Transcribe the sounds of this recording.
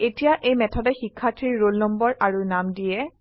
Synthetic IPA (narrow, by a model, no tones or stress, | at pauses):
etijaʔejmɛtʰɔdɛxikʰːatʰɹiɹːolnɔmbɔɹʔaɹunamdijɛ